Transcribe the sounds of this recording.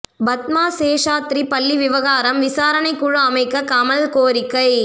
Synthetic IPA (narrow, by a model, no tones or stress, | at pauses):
bɐt̪̚maːseːʂaːt̪ɾipɐlːiʋɪʋɐɣaːɾɐmʋɪsaːɾɐɳɐɪkːʊɻɐɐmɐɪkːɐkɐmɐlkoːɾɪkːɐɪ